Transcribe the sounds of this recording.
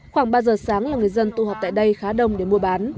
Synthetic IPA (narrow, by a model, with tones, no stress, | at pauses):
xwaː˧˩ŋɓaː˧zəː˨˩saː˨˦ŋlaː˨˩ŋɨ˨˩əjzə˧nt̪ṵ˧˨ha˨˩p̚t̪a̰ː˧˨jɗə˧jxaː˨˦ɗə˨˧˩wŋ͡mɗe˧˩mu˧ɓaː˨˦n